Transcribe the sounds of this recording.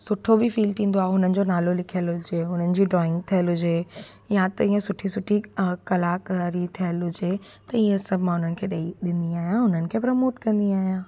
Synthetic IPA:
sʊʈʰobɪfiːlʈĩːnd̪oaːɦeɦʊnənɪ̆d͡ʑonaːlolɪkʰijəlɦʊd͡ʑeːɦʊn̤ənɪ̆d͡ʑiːɖɾɔːɪ̃ŋɡ̚t̪ʰijəlɦʊd͡ʑeː | jat̪ɐiːə̃sʊʈʰisʊʈʰikɐlaːkɾit̪ʰijəlɦʊd͡ʑeː | t̪ɐiːə̃sɐbʱɪmãɦʊnənɪ̆kʰeːɗɐiɗɪ̃nd̪iaːɦijãɦʊnənɪ̆kʰeːpɾomoːʈkɐ̃nd̪iaːɦijãː

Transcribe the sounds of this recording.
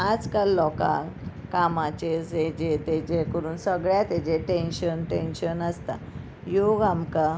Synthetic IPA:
ad͡zkalːɔkã̰kamat͡ɕesed͡ʑet̪ed͡ʑekəɾuːnsəɡɭjat̪ed͡ʑeʈenɕənʈenɕənəst̪a̰ | joɡamka

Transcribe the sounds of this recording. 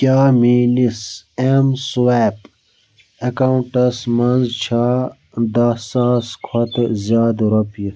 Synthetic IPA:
kʲaːmiːnisemswaːp | ekawuɳʈɐsmɐnzt͡ɕʰaː | d̪aːsaːskʰɐt̪zʲaːd̪ɾɐpji

